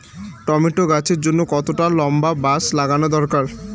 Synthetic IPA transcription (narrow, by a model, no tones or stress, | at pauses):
ʈɔmiʈoɡat͡ɕʰeɾd͡ʑonːokɔt̪oʈalɔmbabaslaɡanod̪ɔɾkaɾ